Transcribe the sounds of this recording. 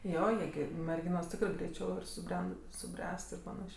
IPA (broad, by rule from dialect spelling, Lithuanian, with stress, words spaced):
ˈjoː ˈjiɛ ɡʲɪ mʲɛrʲˈɡʲɪnoːs ˈtʲɪkrɜ ɡrʲɛɪˈt͡ʃʲɛʊ ɪr sʊˈbʲrʲɛn sʊˈbʲrʲæːst ɪr pɐˈnɑːʃʲeː